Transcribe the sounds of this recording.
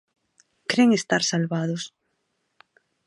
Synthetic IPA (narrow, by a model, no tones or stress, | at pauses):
kɾeŋest̪aɾsalβað̞os